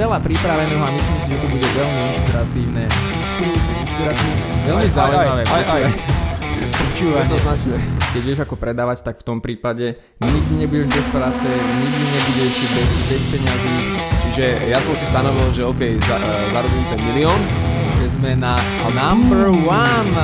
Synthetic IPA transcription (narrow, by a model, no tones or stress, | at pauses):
ɛlapɾipɾaʋɛnɛɦɔamisliːmsiʒɛt̪ɔbuɟɛʋɛʎmiinʃpiɾat̪iːʊnɛ | ʃpiɾiinʃpiɾat̪iːʊnɛʋɛlmizaaaɛaj | pɔt͡ʃuːʋaɛd̪nɔznat͡ʃɲɛkɛɟjɛʒakɔpɾɛd̪aːʋact̪akft̪ɔmpɾiːpaɟɛ | ɲiɡd̪iɲɛbuɟɛʒbɛspɾaːt͡sɛɲiɡd̪iɲɛbuɟɛʃbɛsbɛspɛɲaziːt͡ʃiʒɛjasɔmsist̪anɔʋilʒɛɔkɛjza | zaɾubiit̪ɛmiliɔːn | ʒɛzmɛna | nambəɾwan